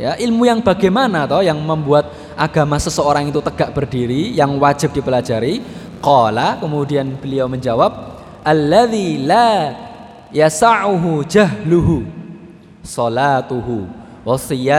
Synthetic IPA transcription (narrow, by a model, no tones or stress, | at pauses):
ja̰ʔilmujaŋb̥a̤ɡɛmanat̪ɔjaŋməmbuat̪̚ | ʔaɡ̥amahsəsəoɾaŋit̪ut̪əɡ̥aʔb̥ərdiɾijaŋwad͡ʒɪ̤p̚d̥ipəlad͡ʒaɾi | qɑlakəmudianb̥əliawməɲd͡ʒawab̚ | ʔalːaðila | jasaʕuɦud͡ʒaɦluɦu | sɔlat̪uɦu | wsia